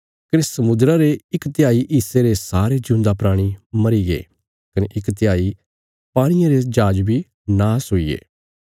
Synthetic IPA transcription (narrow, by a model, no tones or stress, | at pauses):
kɾɪssːɐmʊd̪ɾaɾeɪkt̪ɪjaːiʔiːseɾesaːɾed͡ʒʊ̃nd̪apɾaːɽ̃imɐɾiɡḛː | kɐneʔɪkt̪jaːi | paːɽ̃ɪjãɾed͡ʒaːd͡ʒbʱi | naːsɦoːiːḛː